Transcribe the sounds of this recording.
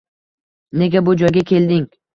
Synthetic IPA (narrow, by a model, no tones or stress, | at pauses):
ne̞ɡʲabʊd͡ʒɒjɡʲakʲʰe̞ld̪ɪŋ